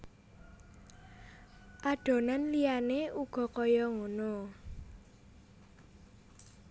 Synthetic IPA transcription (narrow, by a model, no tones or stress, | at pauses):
ʔaɖ̥o̤nanlijaneuɡ̥ɔ̤kɔjɔŋono